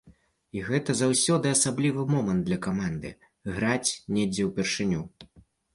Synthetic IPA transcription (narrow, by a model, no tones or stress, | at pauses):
iɣɛt̪ɐzawsʲɔd̪ɨasablʲivɨmɔmɐnd̪lʲɐkamand̪ɨ̰ | ɣɾat͡sʲnʲɛd͡zʲɛwpʲɛrʂɨnʲu